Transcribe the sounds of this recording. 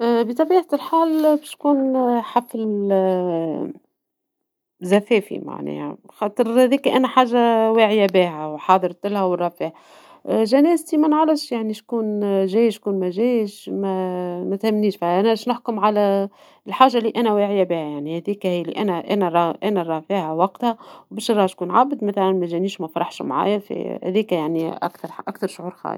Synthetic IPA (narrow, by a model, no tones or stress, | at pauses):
bit̪ˤɑbiːʕalħaːlbæʃkuːnħafl | zæfɛːfḭma̰ʕnɛ̰ːhæ̰xɑːt̪ˤɨɾhæðiːkæʔænæħaːʒːawaːʕɪjabiːɦæwħɑːd̪ˤəɾˤt̪ɪlhæwərˤːɑfiːʕ | ʒænæːzt̪imænʕaləʃjaʕniʃkuːnʒæːjʃkuːnmæʒæːjʃmæmæt̪hæmːniːʃfæʔænæɪʃnʊħkʊmʕalæ | lħaːʒalːiːʔænæweːʕɪjːæbiːhæjaʕnihæd̪iːkæhiːlḭʔænæʔæ̰næɾˤɑʔænæɾˤɑːfiːʕawɑqt̪hæwbæːʃɾˤɑːhʃkuːnʕabd̪mæθælænmæʒæniːʃmæfɑɾˤɑħʃmʕa̰ːjæfḭhæ̰ðiːkæjaʕniʔa̰kt̪ɑɾˤʔa̰kt̪ɑɾˤʃoʕuːɾxɑ̰ːj̰